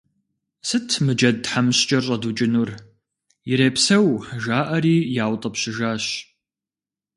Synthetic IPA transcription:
sɨtʰmɨd͡ʒɐd̚ħamɕt͡ʃʼɐrɕʼɐdut͡ʃʼɪnur | jɪɾeːpsɐwʒaːʔɐɾiːjaːwtʼɐpɕɪʒaːɕ

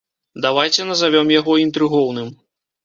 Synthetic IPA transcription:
d̪avajt͡sʲɛnɐzavʲɔmjaɣɔint̪ɾɨɣɔwnɨm

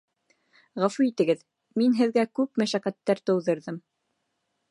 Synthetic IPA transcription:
ʁæfuit̪ɘ̆ɡɘð | minɦɘ̆ðɡækʉpmæʃæqæt̪ːæɾt̪ɤ̆wðɤ̆ɾðɤm

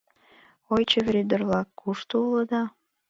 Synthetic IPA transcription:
ojt͡ɕəvʲɾʲid̪ərβlɑkːuʃt̪əuləd̪ɑ

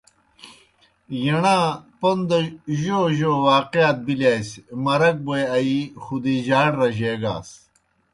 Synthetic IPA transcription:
jɐɳãːpond̪ɐʑoʑoːwaːqeat̪̚bilaːjsmɐɾɐk̚bojɐixud̪iʑaːɽɾɐʑeːɡa̰ːs

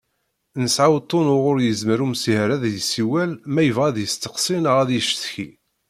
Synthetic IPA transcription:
nəsʕawt̪ˤːonʊʁʊɾjəzməɾumsihɾæðjsiwælmæjəvʁæðjəst̪ə̥qsˤinəʁæðjəʃθçi

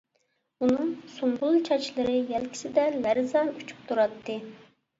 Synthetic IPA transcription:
unɨŋsumʁʊlˠt͡ʃʰɑt͡ʃʰlˠɨɾɨjɛlkʲʰi̥sɪd̪ɛlæɾzɑnyt͡ʃʰy̥p̚t̪ʰuɾɑt̪ʰːɨ

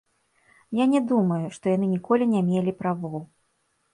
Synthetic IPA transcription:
janʲɛd̪umɐjuʂt̪ɔjanɨnʲikɔlʲinʲamʲelʲipɾavɔw

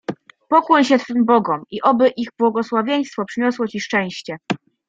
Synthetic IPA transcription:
pɔkwɔɲɕɛt̪fɘmbɔɡɔmiʔɔbɘʔiɣbwɔɡɔswavʲjej̃st̪fɔpʂɘɲɔswɔt͡ɕiʂt͡ʂɛ̃w̃ɕt͡ɕɛ

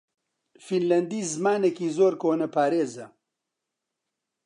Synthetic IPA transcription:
finlɐnd̪iːzɨmaːnekiːzoːɾkoːnɐpʰaːɾeːzɐ

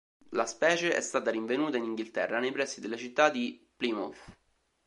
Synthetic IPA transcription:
laspɛːt͡ʃeʔɛ̰st̪aːt̪aɾiɱvenuːt̪ainiŋɡilt̪ɛ̰rːanejpɾɛsːid̪elːat͡ʃit̪ːad̪iplimɔ̰f

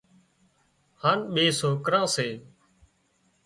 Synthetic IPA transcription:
haːnɓeːsoːkɾãːseː

